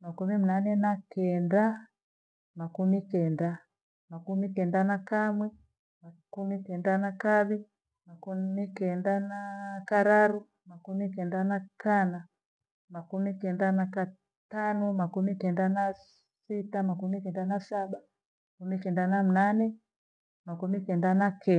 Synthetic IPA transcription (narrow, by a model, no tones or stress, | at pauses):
makumim̩nanɛnakɛnda | makumikɛnda | makumikɛndanakamwɛ | makumikɛndanakaβi | makumikɛndanakaɾaɾu | makumikɛndanakana | makumikɛndanaka | tanɔmakumikɛndana | sitamakumikɛndanasaɓa | mmakumikɛndanam̩nanɛ | makumikɛndanakɛ